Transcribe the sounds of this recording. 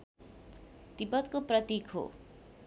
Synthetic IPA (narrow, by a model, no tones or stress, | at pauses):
t̪ipʌt̪koprʌt̪ikʰo̰